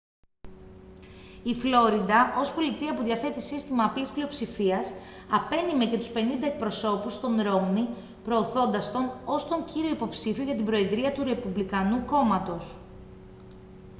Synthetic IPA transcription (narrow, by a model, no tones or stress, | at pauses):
iflo̞ɾid̪ɐʔo̞spo̞lit̪iɐpuðʝɐθe̞t̪isist̪imɐpisplio̞psifiɐs | ɐpe̞nime̞cet̪uspe̞nind̪ɐe̞k̚pɾo̞so̞pust̪o̞nɾo̞mni | pɾo̞ːθo̞nd̪ɐst̪o̞no̞st̪oɲciɾio̞ipo̞psifioʝɐt̪ibɾo̞eðɾiɐt̪uɾe̞publikɐnuko̞mɐt̪o̞s